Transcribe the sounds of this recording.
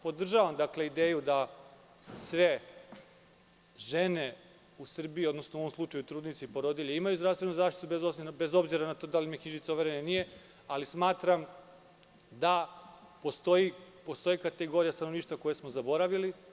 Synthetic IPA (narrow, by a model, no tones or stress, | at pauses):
po̞d̪r̩ʒaʋamd̪akle̞id̪eːjud̪a | sʋe̞ | ʒene | usr̩biːo̞d̪nosnouoomslˠut͡ʃajut̪ɾuːd̪nit̪siipo̞ɾod̪iʎeimajuzd̪ɾast̪ʋe̞nuzaːʃt̪it̪ubezosinbezo̞bziɾanat̪o̞ːd̪alimikɲiʒit̪seuʋeɾenenije | alismaːt̪ɾam | d̪a | post̪oji | post̪o̞jikat̪eɡo̞ɾijast̪anoniːʃt̪vʋako̞jesmozabo̞ɾaʋili